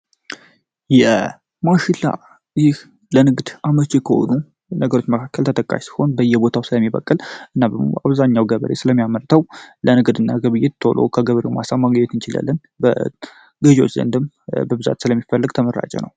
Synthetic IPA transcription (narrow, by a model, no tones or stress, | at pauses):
jɛ | maʃɪlːa̰ | jɪh | lənɨɡd̪ʔamət͡ʃːekʰəho̰nu | nəɡəɾo̞t͡ʃːməkʰakːəlt̪ʰət̪ʰəkʼːa̰ʃsi̥ho̞nbəjːɛbo̞t̪ʰawsɨləmːibə̰kʼːɨlʔɨnːabəmoʔaβzaɲːawɡəβəɾesɨləmːijaməɾt̪ʰəwlənɨɡd̪ɨnːaɡəβɨjɪt̪t̪ʰolʔo̰kʰəɡəβəɾewmasamːaɡəɲːɛt̪ɨnt͡ʃɪla̰lːən | bə | ɡəʒwo̰t͡ʃːzə̰nd̪ɨm | bəbɨza̰t̪sɨləmːifəlːəɡt̪ʰəməɾːa̰t͡ʃʼɛ̰nə̰w